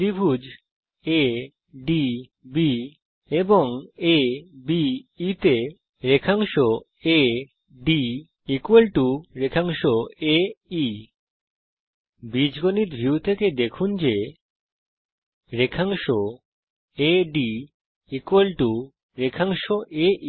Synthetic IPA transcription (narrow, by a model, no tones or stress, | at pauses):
ibʱud͡ʑ | e | ɖi | bi | eboŋebiːt̪e | ɾekʰaŋʃo | e | ɖi | ikwelʈuɾekʰaŋʃoei | bid͡ʑɡoniɾbʱiut̪ʰeked̪ekʰund͡ʑe | ɾekʰaŋʃo | eɖi | ikwelʈu | ɾekʰaŋʃoʔeʔi